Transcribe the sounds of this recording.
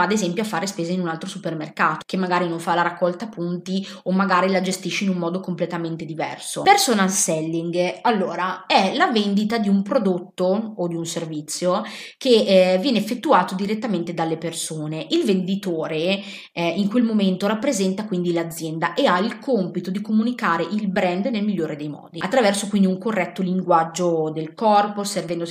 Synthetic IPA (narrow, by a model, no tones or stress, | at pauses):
aːd̪ezɛmpjoafːaːɾespeːzainunalt̪ɾosupermerkaːt̪o̥kemːaɡaːɾinoɱfalaɾakːɔlt̪apːunt̪i | omːaɡaːɾilad͡ʒest̪iʃːeinumːɔːd̪okomplet̪ament̪ed̪ivɛ̰rsopersonalsɛlːiŋɡalːoːɾaɛlavend̪it̪ad̪iumpɾod̪ot̪ːood̪iunservit̪sːjo | kevjɛːneefːet̪ːuaːt̪od̪iɾet̪ːament̪ed̪alːepersoːneʔilvend̪it̪oːɾe | iŋkwelmoment̪oɾapːɾezɛnt̪akwind̪ilad̪zːjɛnd̪aʔeailkʰompit̪od̪ikomunikaːɾeʔilbɾɛnd̪nelmiʎːoːɾed̪ejmɔ̰ːd̪iat̪ːɾavɛrsokwind̪iuŋkorːɛt̪ːoliŋɡwad͡ʒːod̪elkɔrposervɛnd̪o